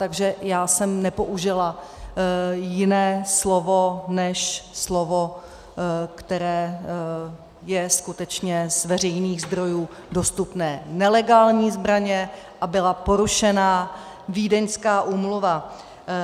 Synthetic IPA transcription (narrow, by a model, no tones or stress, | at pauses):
t̪aɡʒɛjaːsɛmnɛpo̞ʔuʒɪla | jɪnɛːslo̞vo̞nɛʃslovo | kt̪ɛɾɛː | jɛskut̪ɛt͡ʃɲɛzvɛr̝ɛjniːɣzd̪ɾo̞juː | do̞st̪upnɛːnɛlɛɡaːlɲiːzbɾaɲɛ | ʔabɪlapo̞ɾuʃɛnaː | viːdɛɲskaːʔuːmluva